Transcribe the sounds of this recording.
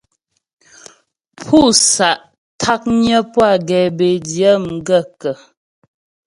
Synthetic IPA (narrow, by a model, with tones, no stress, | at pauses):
pʰu˦˨sa˨ʔ | tʰa˦k̚ɲə˦pwa˦˨ɡɛ˨be˨djə˦ŋ̩˨ɡə˦˨kə˨